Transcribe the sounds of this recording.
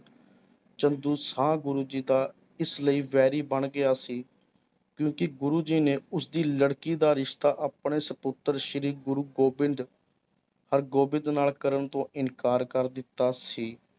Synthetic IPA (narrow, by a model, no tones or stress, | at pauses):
t͡ʃənd̪uːsãːɡʊɾuːd͡ʒiːd̪aː | ɪsləiːʋɛːɾiːbəɳɡɪaːsiː | kjõːkɪɡʊɾuːd͡ʒiːnẽːʊsd̪iːləɽkiːd̪aːɾɪʃt̪aːʔaːpɳeːsəpʊt̪ːəɾʃəɾiːɡʊɾuːɡoːbɪnd̪ | həɾɡoːbɪ̃nd̪naːlkəɾəɳt̪õːɪnkaːɾkəɾd̪ɪt̪ːaːsiː